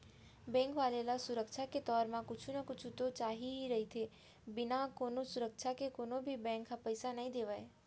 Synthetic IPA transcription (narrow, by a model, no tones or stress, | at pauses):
bɛ̃ŋkʋaːlelasʊɾəkʃʰaket̪ɔːɾmãkʊt͡ʃʰunəkʊt͡ʃʰut̪ot͡ʃaːɦiɦiɾəɦit̪ʰe | bɪnakonosʊɾəkʃʰakekonobʱibɛ̃ŋkɦapəjsanəɦĩd̪eːʋae